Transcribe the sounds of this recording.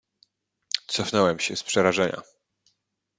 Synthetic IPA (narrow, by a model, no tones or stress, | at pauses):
t̪sɔfnɛwɛmɕɛspʂɛɾaʐɛɲa̰